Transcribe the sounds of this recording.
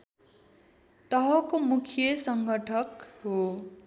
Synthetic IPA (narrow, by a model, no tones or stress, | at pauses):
t̪ʌɦʌkomukʰjʌsʌŋɡʌʈʰʌkɦo